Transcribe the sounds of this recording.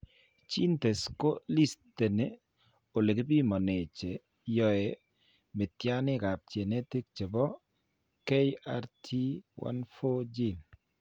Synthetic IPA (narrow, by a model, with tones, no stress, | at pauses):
t͡ʃi˦nte˨sko˦li˦ste˨ne˦ | o˨le˨kɪ˦bi˦mɔ˨ne˨t͡ʃe˨ | jɔ˨je˨ | mɪ˨tja˦nɪ˦ka˨p̚t͡ʃe˨ne˦ti˦k̚t͡ʃe˨bɔ˦ | ke˦ja˨˦ɾtʰi˦wa̰˦nfo˦d͡ʒi˦˨n